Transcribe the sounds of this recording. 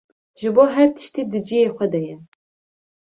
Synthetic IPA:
ʒɨboːɦært̪ʰɨ̥ʃtʰiːdɨd͡ʒijeχʷɐdɐjɛ

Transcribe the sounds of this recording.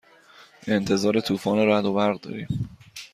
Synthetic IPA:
e̞nt̪ʰe̞zɒːɾe̞t̪ʰuːfɒːneɾæd̪obæɾɣd̪ɒ̰ːɾiːm

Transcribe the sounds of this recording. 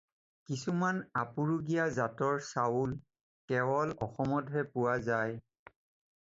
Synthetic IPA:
kisumanapuɹuɡijazatɔɹsawul | kɛbɔlɔxɔmɔdʱɦɛpʊwazaj

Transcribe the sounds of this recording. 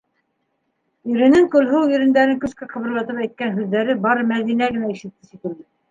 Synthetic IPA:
iɾɘ̆nɘŋkɵ̆lɦuwjɵ̆ɾɘ̆nd̪æɾɘŋkɵ̆skæqʰɤ̆βɤ̆ɾlˠɑt̪ɤpæjt̪̚kænɦʉðːæɾɘbɑɾɤmæðinæɡɘ̆næiʃɘ̆t̚t̪ːɘsik̪ɘ̆ɾd̪ɘ

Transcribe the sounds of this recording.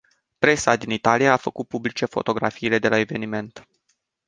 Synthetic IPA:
pɾe̞sad̪init̪alijaːfəkut̪̚publit͡ʃe̞fo̞̰t̪o̞ɡɾa̰fiːle̞d̪e̞lae̞ve̞nime̞nt̪

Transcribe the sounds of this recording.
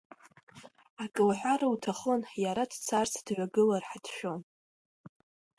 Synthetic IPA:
akʼɨlħʷᶣaɾautʰaχonjaɾadt͡sʰart͡sʰdʕʷaɡɨlarħadʃᶣon

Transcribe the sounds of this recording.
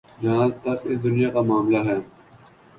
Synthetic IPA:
d͡ʒãːt̪ɐɾɪsd̪ʊnɪjaːkamaːmlaɦɛː

